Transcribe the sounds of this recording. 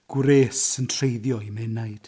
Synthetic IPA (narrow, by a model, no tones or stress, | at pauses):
ɡ̥wɾeːsəntʰrejðjɔimɛnajd̥